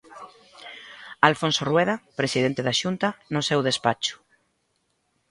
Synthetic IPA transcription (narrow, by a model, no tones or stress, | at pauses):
alfonsorweðapɾesiðent̪eðaʃunt̪anosewðespat͡ʃʊ̥